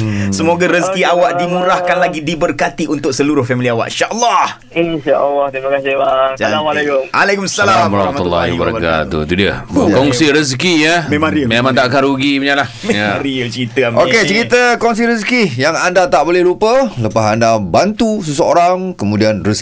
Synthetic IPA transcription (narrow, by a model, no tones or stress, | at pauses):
səmoɡaɾəskiawaʔdimũɾahkanlaɡidibərkat̪iʔunt̪ʊk̚səluɾʊhfɛmiliawa̰ʔinʃaʔəlːɔh | inʃaʔəlːɔt̪ɾimakasɪhbaalamalakʊmʔalekʊmsalaməɾamat̪ulːɔ̰bəɾa̰ka̰t̪ṵt̪udiə̰kɔŋsiɾəskijəmemãŋɾimemãŋt̪aʔkanɾuɡibəɲalahmejamɾit͡ʃəɾit̪əmoket͡ʃəɾit̪əkɔŋs̬iɾəskijaŋandat̪aʔbolɛhlupələpasandabant̪usəsəoɾaŋkəmũdianrəs